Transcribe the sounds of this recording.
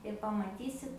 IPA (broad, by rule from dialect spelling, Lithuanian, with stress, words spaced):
ɪr pɐmɐˈtʲiːsʲɪt